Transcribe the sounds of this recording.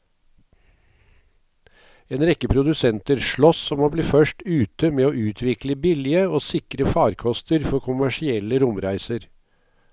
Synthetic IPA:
eːnɾɛkːəpʰɾʊd̪ʉsɛnt̪əɾʂɭɔsɔmoːbliːfœʂʈʉːt̪əmeːoːʔʉːt̪ʰʋɪkləbɪlɪəoːsɪkɾəfɑːɾkʰɔst̪əɾfɔɾkʰʊmæʂɪɛlːəɾʊmɾæɪsəɾ

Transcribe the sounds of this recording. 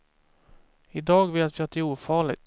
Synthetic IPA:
ɪd̪ɑːɡveːt̪vɪat̪ːɪuːfɑːɭɪ̰ɡt̪

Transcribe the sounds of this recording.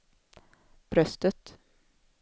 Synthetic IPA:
b̥ɾœst̪ət̪

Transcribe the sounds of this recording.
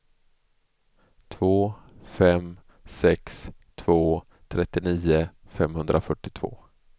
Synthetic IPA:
t̪ʰvoːfɛm | sɛkst̪ʰv̥oː | t̪ʰɾɛt̪ːɪniːʊfɛmhɵnd̪ɾʔafœʈːɪt̪ʰv̥o̰ː

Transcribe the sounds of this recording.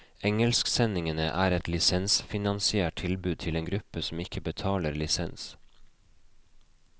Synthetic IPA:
ɛŋəlsksɛnɪŋənə̰ʔæːɾɛt̪lɪsɛnsfɪnɑnsɪæːʈ̚t̪ʰɪlbʉːd̪̚t̪ʰɪleːnɡɾʉpəsm̩ɪkəbət̪ʰɑːləɾlɪsɛ̰ns

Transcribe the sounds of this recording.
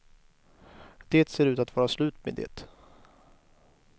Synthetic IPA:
d̪̥eːt̪seːɾʉ̟ːt̪at̪vɑːɾaslʉ̟ːt̪mḛd̪ɛ̰ːt̪

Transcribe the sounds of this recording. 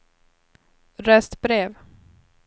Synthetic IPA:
ɾɛst̪bɾeːv

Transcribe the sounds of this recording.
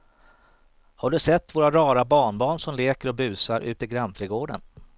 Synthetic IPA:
haɖɵsɛt̪ːvoːɾaɾɑːɾabɑːɳbɑːɳʂɔmleːkəɾɔbʉ̟ːsaɾʔʉ̟ːt̪ɪɡɾanːt̪ʰɾɛːɡoːɖə̰n

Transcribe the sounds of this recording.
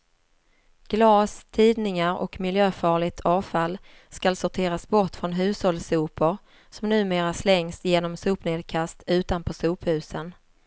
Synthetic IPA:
ɡ̥lɑːst̪ʰiːd̪nɪŋaɾɔ̰kmɪljøːfɑːɭɪɡ̚t̪ʰɑːvfalː | skalsʊʈʰeːɾasbɔʈfɾɔnɦʉ̟ːshɔlsuːpəɾ | sɔmnʉ̟ːmeːɾaslɛŋsjeːnɔmsuːpneːd̪kʰast̪ʉ̟ːt̪anpʰɔsuːphʉ̟ːsən

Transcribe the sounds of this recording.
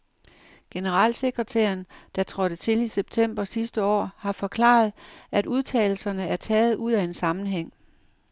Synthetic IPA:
ɡ̥e̝nəʁɑ̈ːlse̝ɡ̥ʁət͡sʰḛːɐnd̥ɑ̈t͡sʰʁɒ̽ɾ̥ət͡sʰe̝liseb̥̚t͡sʰem̰b̥ɐsisd̥əɒ̰ːhɑ̈fɒ̽kʰlɑ̰̈ːð̞̩ˠʔæduð̞ˠt͡sʰɛ̰ːl̩sɐnəæɐt͡sʰɛːð̞̩ˠʔuð̞̰ˠæe̝nsɑ̈mn̩ɦeŋ̰

